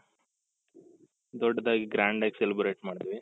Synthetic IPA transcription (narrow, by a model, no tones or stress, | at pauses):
d̪ɔɖːɐd̪aːɡiɡɾaːɳɖaːɡiselibɾeːʈmaːɽd̪ʋi